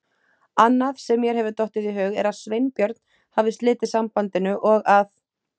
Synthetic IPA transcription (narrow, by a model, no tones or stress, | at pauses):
anːaðsɛmːjɛɾ̥ɦɛvʏt̪ɔwht̪ɪðiɦœːɣɛ̰ɾaðsvejnpjœɾt̪̚n̥ | haːvɪst̪lɪːt̪ɪsampant̪ɪnʏʔɔɣaθ